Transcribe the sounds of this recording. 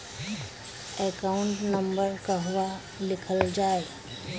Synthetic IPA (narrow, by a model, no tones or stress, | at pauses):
ɛkaʊɳʈnəmbəɾkaɦʊʋa | lɪkʰəld͡ʒaːe